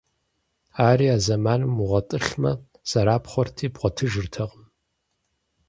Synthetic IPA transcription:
aːɾiːaːzɐmaːnɨmʊʁɐtʼɨɬmɐ̰ | z̥ɐɾaːpχʷɔrtʰiːbʁʷɔtʰɨʒɨrtʰɐqʼəm

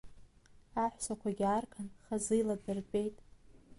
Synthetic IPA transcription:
aħʷsakʷʰaɡʲarkʰʼanχazɨjladɨrbʼe̞jtʼ

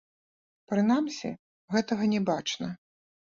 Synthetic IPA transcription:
pɾɨnamsʲḭ | ɣɛt̪ɐɣɐnʲɛbat͡ʂnɐ

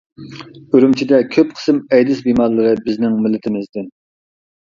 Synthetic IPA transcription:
øɾymt͡ʃʰid̪ɛkʲʰøp̚qʰə̥sɨmɛjd̪ɪsbimɑɾlˠɨɾɨbɪznɪŋmɪlːɪt̪ʰɪmɪzd̪ɪn

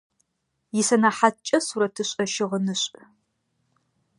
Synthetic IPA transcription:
jɪsɐnaħatt͡ʃʼɐsuɾɐtʰɨɕʼɐʃɪʁənɨɕʼ

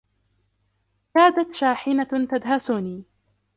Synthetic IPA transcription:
kaːd̪at̪ʃaːħɪnat̪ad̪ɦasuːniː

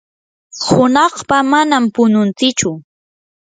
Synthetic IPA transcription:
hʊnɑχpamanampʊnʊnt͡sɪt͡ʃʊ

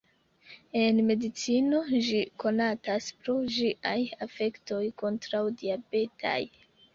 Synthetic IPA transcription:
e̞nme̞dit͡sino̞d͡ʒiko̞nataspɾo̞d͡ʒiʔajafe̞kto̞jko̞ntɾawdiabe̞tʰa̰j

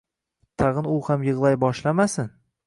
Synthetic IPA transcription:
t̪ʰɑʁɨnʊhamjɨʁlˠajbɒʃlamasɪn

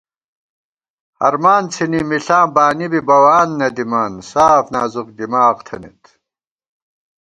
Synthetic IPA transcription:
hɐ̰ɾmaːnt͡sʰinimiɬaːmbaːnibibɐwaːnːɐd̪imaːnsaːfnaːzuqd̪imaːqt̪ʰɐnḭt̪

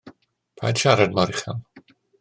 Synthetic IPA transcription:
pʰa̰d̥ʃaɾadmaɾɪχa̰n

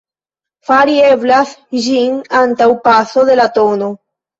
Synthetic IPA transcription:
faɾie̞blasʒinantawpaso̞ðe̞lato̞no̞

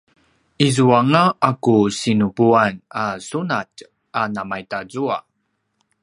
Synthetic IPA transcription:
izuaŋaːkusinubuanasunat | anamajtazua

